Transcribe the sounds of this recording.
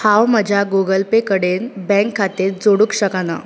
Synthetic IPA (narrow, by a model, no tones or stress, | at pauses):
hawməd͡ʑʱaɡoɡəlpekəɽenbɛ̃ŋkʰːat̪eɾd͡zoɽukɕəkana